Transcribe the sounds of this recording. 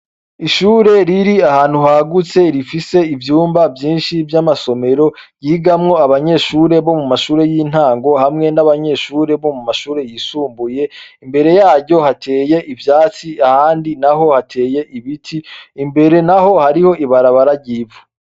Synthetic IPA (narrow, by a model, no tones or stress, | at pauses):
iʃuːɾe̞ɾiɾiahaːn̥huhaɡut͡se̞ɾifise̞ivjuːmbavjiːnʃivjamaso̞me̞ɾo̞jiɡamŋo̞aβaɲe̞ʃuːɾe̞βo̞mumaʃuːɾe̞jiːn̥haːŋɡo̞hamŋe̞naβaɲe̞ʃuːɾe̞βo̞mumaʃuːɾe̞jisuːmbuje̞imbe̞ɾe̞jaːɾɟo̞hatʰe̞ːje̞ʔivjaːt͡siʔahaːndinaɦo̞hatʰe̞ːje̞ʔiβitʰiːmbe̞ɾe̞naɦo̞haɾiho̞ʔiβaɾaβaɾaɟiːvu